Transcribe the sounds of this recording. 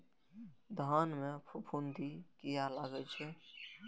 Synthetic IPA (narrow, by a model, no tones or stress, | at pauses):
d̪ʱanmepʰupʰund̪ʱikijalaɡɛt͡ʃʰɛ